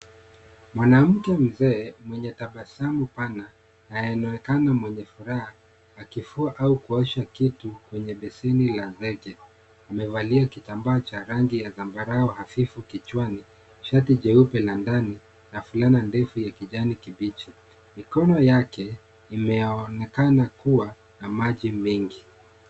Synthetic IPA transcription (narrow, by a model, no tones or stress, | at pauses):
mwanam̩kɛm̩zɛːmwɛɲɛtaɓasamupana | najɛnɔɛkanamwɛɲɛfuɾahaː | kifuaʔaukuɔʃakitukwɛɲɛɓɛsɛnilazɛkɛ | amɛvaliakitambaat͡ʃaɾaŋɡijaðambaɾaɔhafifukit͡ʃwani | ʃatiʄɛupɛlandani | nafulanandɛfujakiʄanikiɓit͡ʃi | mikɔnɔjakɛ | imɛanɛkanakuwa | namaʄimiŋɡi